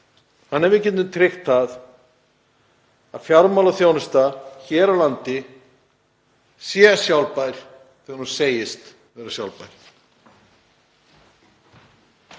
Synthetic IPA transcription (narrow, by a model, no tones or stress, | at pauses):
hanːɛɾvɪcɛnʏmt̪ʰɾɪxt̪θað | aðfjaɾmawlaθjownʏst̪açɛːɾalant̪ɪ | sjɛsjawlpajɾ̥ | θɛːɣaɾhunseːjɪst̪ | vɛːɾasjawlpajɾ̥